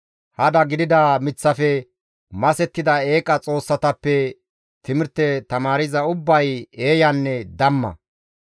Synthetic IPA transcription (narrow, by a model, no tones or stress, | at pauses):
hɐd̪ɐɡɪd̪ɪd̪ɐmɪt͡sːɐfɛ | mɐsɛt̪ːɪd̪ɐe̞ːkʼɐt͡sʼo̞ːsːɐt̪ɐpːɛ | t̪ɪmɪɾt̪ɛt̪ɐmaːɾɪzɐʊbːɐje̞ːjɐnːɛd̪ɐmːɐ̰